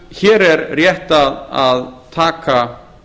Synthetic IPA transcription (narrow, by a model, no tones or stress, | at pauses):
çɛːɾɛɾrjɛht̪aðaðt̪ʰaːka